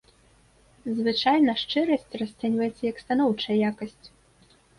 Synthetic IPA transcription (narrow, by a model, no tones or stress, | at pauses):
zvɨt͡ʂajnɐʂt͡ʂɨɾɐsʲtʲrɐsʲt̪ɛnʲvɐjɛt̪sʲɐjɐkst̪anɔwt͡ʂɐjɐjakɐsʲt͡sʲ